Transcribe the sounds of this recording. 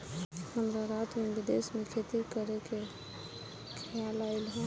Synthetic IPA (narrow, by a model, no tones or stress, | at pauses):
həmɾaɾat̪mĩbid̪esmẽkʰet̪ikəɾeke | kʰjalaɪlɦõ